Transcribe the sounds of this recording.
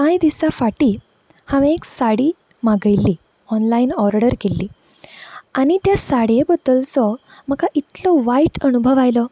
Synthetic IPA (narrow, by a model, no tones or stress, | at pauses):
kãjd̪isafaʈiː | hãʋẽeksaɽiː | maɡəjlːiː | ɔnlainɔɾɽəɾkelːiː | añit̪jasaɽjebəd̪əlt͡sɔm̤əkaʔit̪lɔʋaiʈənubʱəʋajlɔ